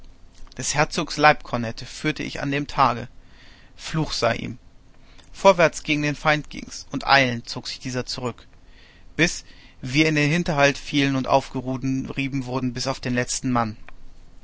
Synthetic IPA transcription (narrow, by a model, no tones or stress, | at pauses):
d̥ɛshɛɐt͡soːkslaɪp̚kʰɔnɛtʰəfyːɐtʰə̰ʔɪ̰ça̰ndeːmtʰaːɡə̰ | fluːxz̥aɪʔḭːm | fɔːɐvɛɐt͡sɡ̥ɪːɡŋ̩deːnfaɪntɡ̥ɪ̰ŋsʔʊntʔa̰ɪlənt͡soːkz̥ɪçd̥iːzɐt͡suʁʏk | b̥ɪsv̥iːɐɪndeːnhɪntɐɦaltfiːlənʊntʔa̰ʊfɡ̥əʁuːdʁiːbm̩vʊɐdn̩bɪsaʊfd̥eːnlɛt͡stn̩man